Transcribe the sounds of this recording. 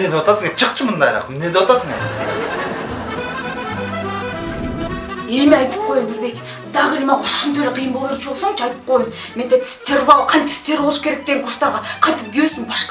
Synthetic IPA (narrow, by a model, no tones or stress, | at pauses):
ed̪ewat̪ɑsəŋet͡ʃʰəq̚t͡ʃʰəmənd̪ɑ̰jɾɑ̰qmned̪ewat̪ɑsəŋe | e̞meɑjt̪ɨ̥p̚qʰo̞jɡɪɾbe̞kʲ | d̪̥ɑʁelʲmɑqʊʃunt̪ʰølʲeqʰijəmbolˠɾt͡ʃʰolˠsoŋt͡ʃʰɑjt̪ə̥p̚qʰo̞jəm | mend̪et̪st̪ʰʲeɾvalˠqʰɑnt̪ɪ̥st̪eɾbolˠəʃkʰʲe̞ɾek̚d̪eɡeŋkʰurst̪ɑɾʁɑqʰɑjt̪ɪp̚ɡʲyjøsɪmbɑʃq